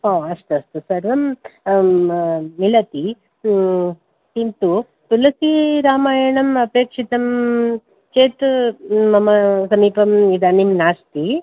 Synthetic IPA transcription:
ɦoːɐst̪uɐst̪usɐɾʋɐm | nilɐt̪i | t̪int̪u | t̪ulɐsiɾaːmaːjɐɳɐmɐpeːkʂit̪ɐm | t͡ʃeːt̪ː | ɐmɐsɐmiːpɐmid̪ɐnimnaːst̪i

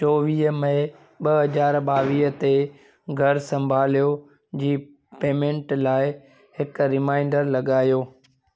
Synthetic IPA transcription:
t͡ɕɔːʋiːɦəmɐ̃ɪ̃ | ɓɐɦɐzaːɾɓaːʋiːɦət̪e | ɡʱɐɾsɐ̃mbʱaːlijo | d͡ʑiː | peːmẽɳʈlaːɪ | hɪkɾɪmãːɪ̃ɳɖəɾlɐɠaːjoː

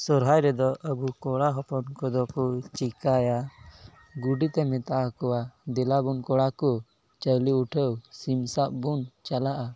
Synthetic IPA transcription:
sɔɾɦajɾɛd̪ɔʔəbukɔɽaɦɔpɔnkɔd̪ɔkut͡ʃikaja | ɡuɖit̪ɛmɛt̪aʔakɔwad̪ɛlabunkɔɽakɔ | t͡ʃəliuʈʰəwsimsaʔ̚bunt͡ʃalaʔa

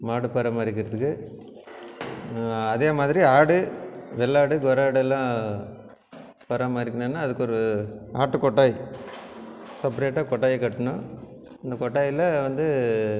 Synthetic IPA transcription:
maːɽɯpɐɾɐmaːɾɪɾkːɪɾɐðɯkːɯ | ɐðeːmaːðɪɾiaːɽɯʋɛɭːaːɽɯɡɔɾaːɽɛlːãː | pɐɾɐmaːɪɾɪkːɐɳɯnːaːɐðɯkːɔɾɯa̰ːʈːɯkɔʈːaːj | sɐp̬ɾeːʈːaːkɔʈːaːjɐkɐʈːɐɳʊ̃ɪnd̪ɐkɔʈːaːjɪlɐʋɐnd̪ɯ

